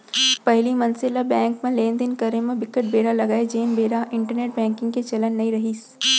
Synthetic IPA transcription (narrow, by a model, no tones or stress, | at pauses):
pɐɦlimɐnsɪlabɛ̃ːŋkmẽleːnd̪ɪnkɐɾemẽbɪkəʈ̚beːɽalɐɡaːed͡ʒeːnbeːɾaʔɪ̃ɳʈəɾneːʈ̚bɛ̃ːŋkɪ̃ŋɡket͡ʃɐlənːɐɦĩɾɐɦiːs